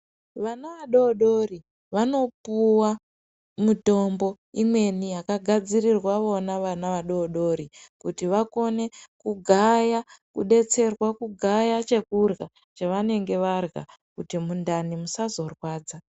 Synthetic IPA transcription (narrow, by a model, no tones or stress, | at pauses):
ʋanaʋaɗo̞ːɗo̞ri | ʋano̞puwa | muto̞mbo̞ | imwe̞nijakaɡʱad͡zirirwaʋo̞naʋanaʋaɗo̞ɗo̞ɾikutiʋako̞ne̞kuɡʱajakṵɗe̞t͡se̞rwakuɡʱajat͡ʃe̞kurɣa | t͡ʃaʋane̞ŋɡe̞ʋarɣa̰ | kutimundanimusazo̞rwaːd͡za